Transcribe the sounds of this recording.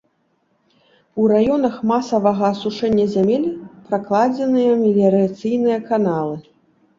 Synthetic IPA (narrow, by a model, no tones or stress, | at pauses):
uɾajɔnɐxmasɐvɐɣɐːsuʂɛnʲːɐzʲamʲelʲpɾaklˠad͡zʲɛnɨjɐmʲilʲɛɾat̪sɨjnɨjɐkanalˠɨ